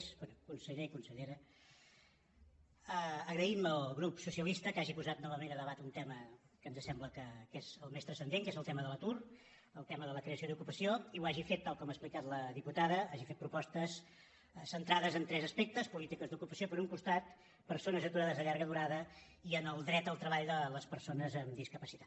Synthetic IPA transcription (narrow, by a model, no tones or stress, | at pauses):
sbenukunsəʎeikunsəʎeɾə | əəɣɾəiməlˠɣɾupsusiəlist̪əkaʒipuzat̪nɔβəmenələβat̪unt̪ɛmə | kənzəsɛmbləkəkezəlˠmest̪ɾəsənd̪eŋkezəlˠt̪ɛməðələt̪ur | əlˠt̪ɛməðələkɾeəsioðukupəsioiuaʒifet̪ːalˠkɔməsplikat̪ləðiput̪aðəaʒifet̪̚pɾupɔst̪əs | sənt̪ɾaðəzənt̪ɾɛzəspɛk̚t̪əspulit̪ikəzd̪ukupəsiopəɾuŋkust̪at̪ | pəɾsonəzət̪uɾaðəzðəʎaɾɣəðuɾaðə | iənəlˠd̪ɾɛt̪əlˠt̪ɾəβaʎd̪ələspəɾsonəzəmd̪iskəpəsi̥t̪ḁt̪